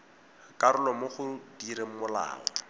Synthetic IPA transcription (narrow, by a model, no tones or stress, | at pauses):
kʼaɾʊlɔmʊχʊdiɾem̩mʊla̰ːɔ̰